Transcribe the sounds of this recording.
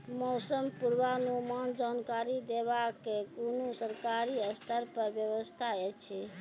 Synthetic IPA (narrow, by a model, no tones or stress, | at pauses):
mɔsəmpuɾbanumand͡ʒankaɾid̪ebakːekonosəɾkaɾiəst̪ʰəɾpəɾbjəβəst̪ʰaɛt͡ʃʰɛ